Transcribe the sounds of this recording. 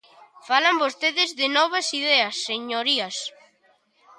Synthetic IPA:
falambost̪eðɪzðɪnɔβ̞asið̞eɐsːeɲoɾias

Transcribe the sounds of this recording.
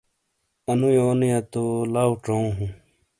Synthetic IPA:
ɐnũjoːnijat̪olaːwʈ͡ʂoũɦũ

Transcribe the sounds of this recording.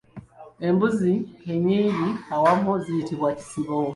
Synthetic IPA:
e̞mbuzieɲiːβiawamuzijitiβwaci̥siβo

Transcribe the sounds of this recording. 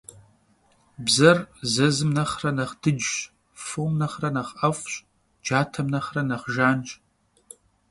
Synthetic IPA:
bzɐrzɐzɨmnɐχrɐnɐχd̥ɨd͡ʒɕ | fomnɐχrɐnɐχʔɐfʷɕʼ | d͡ʒaːtʰɐmnɐχrɐnɐχʒaːnt͡ʃʼ

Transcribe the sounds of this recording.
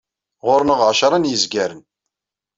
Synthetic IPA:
ʁʊɾnəʁʕʃɾˤɑnjəzɡæɾən

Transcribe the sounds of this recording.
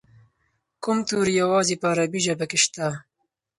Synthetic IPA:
kʊmt̪uːɾjawɑːzipaːɾabiʒabakeʃt̪a

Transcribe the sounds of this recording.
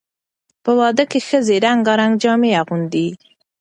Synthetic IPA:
pəwɑd̪əkexəzeɾaŋɡɑɾaŋɡd͡ʒɑmeaɣund̪i

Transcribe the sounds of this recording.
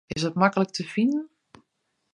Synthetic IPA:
ɪsətmakələk̚tʰəfinən

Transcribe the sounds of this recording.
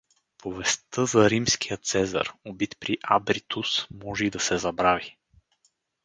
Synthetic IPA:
povɛst̪ɤzɐɾimskijət̪sɛzə̰ɾobit̪pɾiʔa̰bɾit̪usmɔʒɛid̪ɐsɛzɐbɾavi

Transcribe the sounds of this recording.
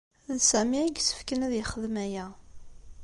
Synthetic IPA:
ðsæmiæɡsə̥fkənæðjəχəðmæjæ

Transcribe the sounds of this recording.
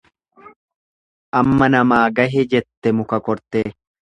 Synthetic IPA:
ʔɐmːɐnɐmaːɡɐɦɛd͡ʒɛt̪ːɛmʊkɐkɔɾt̪eː

